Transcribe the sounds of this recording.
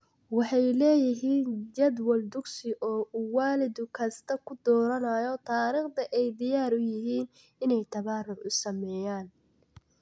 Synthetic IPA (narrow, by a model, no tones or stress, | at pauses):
wɑħɑjlɛːjɪɦiːnd͡ʒɐd̪wɔld̪ʊɡsɪʔɔːuwaːlɪd̪ʊkʰɐst̪ʰɐkʰʊd̪ɔːɾɐnɐjɔt̪ʰaːɾiːχt̪ɐʔɛjd̪ɪjaːɾʊjɪɦiːn | ɪnɛjt̪ʰɐβaːrʊʕʊsɐmɛːjaːn